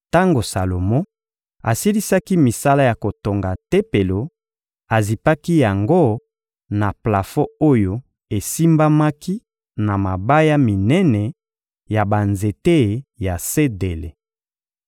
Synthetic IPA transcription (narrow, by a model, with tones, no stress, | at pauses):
ta˦ŋɡo˨sa˨lo˨mo˦ | a̰˨si˦li˦sa˦ki˦mi˨sa˦la˦ja˨ko˨to˨ŋɡa˨te˦pe˨lo˨ | a˨zi˨pa˦ki˦ja˨ŋɡo˦ | na˨pla˨fo˦o˦jo˨ | e˨si˦mba˦ma˦ki˦ | na˨ma˨ba˦ja˦mi˨nɛ˦nɛ˨ | ja˨ba˨nze˨te˦˨ja˨se˦de˨lḛ˨